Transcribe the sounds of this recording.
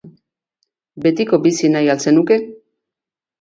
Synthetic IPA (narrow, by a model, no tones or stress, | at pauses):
be̞t̪iko̞bisinajalse̞nuke̞